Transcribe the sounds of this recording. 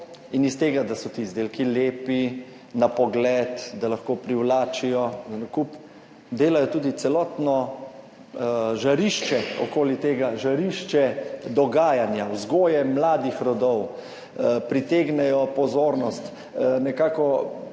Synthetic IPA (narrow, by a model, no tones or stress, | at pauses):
inist̪eːɡad̪asɔt̪izd̪eːlkileːpi | napɔɡlɛt̪d̪alɐxkoːpɾiwlaːt͡ʃijɔnkup | d̪eːlajɔt̪uːd̪it̪sɛlɔːt̪nɔ | ʒaɾiʃt͡ʃɛɔ̰koːlit̪eːɡaʒaɾiʃt͡ʃɛd̪ɔɡaːjanjawzɡoːjɛmlaːd̪ixɾɔd̪ɔw | pɾit̪eːɡnɛjɔpɔzoːɾnɔst̪ | nɛkaːkɔ